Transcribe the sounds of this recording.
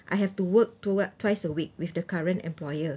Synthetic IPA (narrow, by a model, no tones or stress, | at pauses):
ʔa̰jɦɛftuwək̚tutwajsəwik̚wifdəkaɹə̃ntɛ̰̃mplɔjə